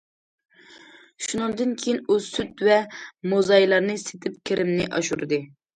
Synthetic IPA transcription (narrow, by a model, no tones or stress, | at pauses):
ʃunɨŋd̪ɨnkʲʰejinusyt̪vɛmozɑjlˠɑɾnɨse̥t̪ʰɪp̚kʲʰeɾʔɪmnɪʔɑ̰ʃuɾɨd̪ɨ